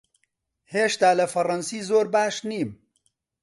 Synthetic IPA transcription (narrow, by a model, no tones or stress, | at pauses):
heːʃt̪aːlɐfɐrɐnsiːzoːɾbaːʃniːm